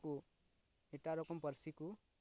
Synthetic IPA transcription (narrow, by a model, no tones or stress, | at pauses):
ku | eʈaɾɔkɔmpʌɾsiku